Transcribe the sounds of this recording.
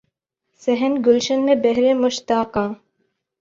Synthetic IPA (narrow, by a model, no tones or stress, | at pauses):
seɦənɡʊlʃənmebeɦɾemʊʃt̪aːqɑ̃ː